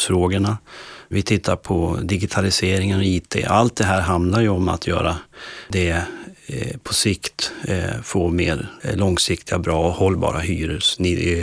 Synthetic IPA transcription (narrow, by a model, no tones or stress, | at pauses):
fɾoːɡəɳavɪt̪ʰɪt̪ʰːaɾpʰɔd̪ɪɡɪt̪ʰalɪseːɾɪŋənɔiːt̪ʰḛːʔalt̪̚d̪ɛɦæːɾɦand̪laɾjɵɔma̰t̪ʰjœ̰ːɾad̪ɛ | pʰɔsɪkt̪foːmḛːɾlɔŋsɪkt̪ʰɪɡabɾɑːɔhɔlːbɑ̰ːɾaɦyːɾɵsnɪ